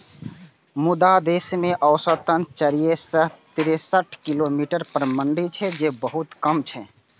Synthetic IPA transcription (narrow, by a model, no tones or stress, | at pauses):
mud̪ad̪esmeʔəʊsət̪ənt͡ʃəɾijesəɦt̪iɾesəʈʰkilomiʈəɾpəɾməɳɖit͡ʃʰɛd͡ʒebəɦut̪kəmt͡ʃʰɛ